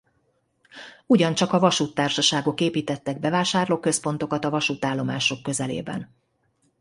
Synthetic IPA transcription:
uɟɒnt͡ʃɒkɒvɒʃuːt̪ːaːrʃɒʃaːɡo̞keːpiːt̪ɛt̪ːɛɡ̚bɛvaːʃaːrloːkø̞spo̞n̪t̪o̞kɒt̪ɒvɒʃuːt̪aːlːo̞maːʃo̞kːø̞zɛlḛːbɛ̰n

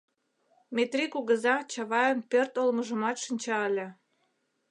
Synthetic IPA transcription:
met̪rikuɣəzɑt͡ɕɑβɑjə̆npørt̪olməʒə̆mɑt̪ʃənʲt͡ɕɑəlʲĕ

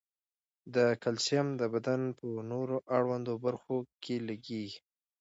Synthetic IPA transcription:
d̪əkalsjamd̪əbad̪anpənoɾoʔaɽwand̪obaɾxokʰelaɡi

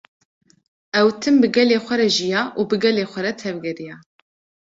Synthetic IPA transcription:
ɛwt̪ʰɨmbɨɡɛleːxʷɛɾɛʒijɑːʔuːbɨɡɛleːxʷɛɾɛt̪ʰɛvɡɛɾijɑː

